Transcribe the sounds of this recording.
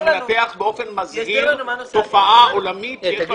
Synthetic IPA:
nateaχbeo̞fenmazhiʁt̪o̞faʔaolamit̪jjɛba

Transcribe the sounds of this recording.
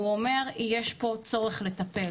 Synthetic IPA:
uome̞ʁijeʃpo̞t͡so̞ʁeχlet̪ape

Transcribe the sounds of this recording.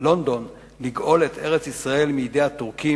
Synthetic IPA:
lo̞nd̪o̞n | liɡʔo̞let̪e̞ʁet͡sisʁae̞lmiid̪e̞jhat̪uʁki

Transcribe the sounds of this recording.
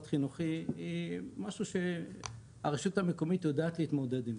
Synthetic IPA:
t̪χinuχiimaʃuʃe̞ | a̰ʁeʃuthamekomit̪odaːt̪lehit̪mod̪ed̪im

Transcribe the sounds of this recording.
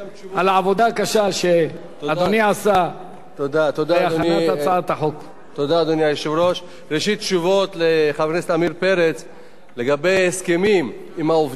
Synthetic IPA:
alaʕavod̪akaʃaʃe | ad̪oniʕasa | t̪od̪at̪od̪aaat̪at͡saat̪aħok | t̪od̪aːd̪onjajeʃuvɾoʃ | ɾeʃit̪̚ːt͡ʃuvot̪leχavkneset̪amiɾpeɾet͡s | leɡabejheskemim | imauv

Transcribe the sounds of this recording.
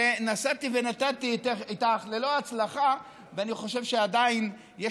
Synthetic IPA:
enasat̪ivenat̪at̪iteit̪aχlelo̞at͡slaχa | veaniχo̞ʃevʃead̪ain | je

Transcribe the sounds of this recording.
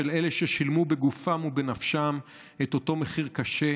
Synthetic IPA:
ele̞leʃeʃilmube̞ɡufamube̞nafʃam | et̪o̞to̞me̞χiʁkaʃe̞

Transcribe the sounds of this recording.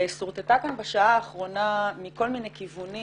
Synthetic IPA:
esoʁt̪et̪akanbaʃaaːχʁo̞namiko̞lminejkivuni

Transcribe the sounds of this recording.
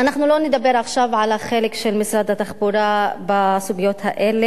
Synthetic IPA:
anaχnuloned̪abe̞ɾaχʃavʕalaχelekʃelmisɾad̪at̪aχbuɾabasuɡijo̞t̪haʔele

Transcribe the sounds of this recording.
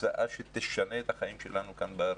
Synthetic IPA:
aʔaʃet̪eʃaneːt̪aχajimʃelanukanbeaɾ

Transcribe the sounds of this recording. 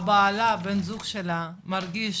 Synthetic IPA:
baːlabenzuχʃela | maʁɡiʃ

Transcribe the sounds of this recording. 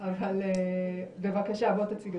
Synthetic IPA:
avalebevakaʃabot̪at͡siɡ

